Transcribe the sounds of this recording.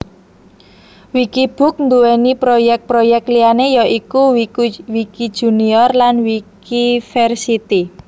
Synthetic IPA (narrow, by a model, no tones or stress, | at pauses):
wikib̥ṳk̚nd̪uwɛnipɾojɛk̚pɾojɛk̚t̪lianejɔʔikuwikid̥ʒ̥ṳniɔrlanwikifɛrsit̪i